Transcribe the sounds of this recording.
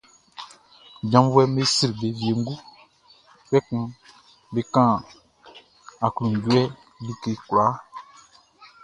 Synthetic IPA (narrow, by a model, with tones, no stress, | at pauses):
d͡ʒã˨˦vwɛ˦me˦si˦ɾi˨be˨vi˨e˨ŋ̩˦ɡu˦ | k͡pɛ˦kũ˦ | be˨kã˦˨ | a˨klũ˨n˨ɟu˦ɛ˦ | bi˦ke˨kla˨˦